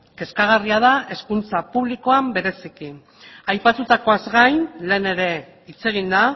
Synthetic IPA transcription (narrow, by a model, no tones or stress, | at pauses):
ke̞skaɣ̞ariað̞ae̞skunt͡sapuβliko̞ambe̞ɾe̞siki | ajpat̪ut̪ako̞azɣajnle̞ːne̞ɾe̞ | it͡se̞ɣ̞ind̪a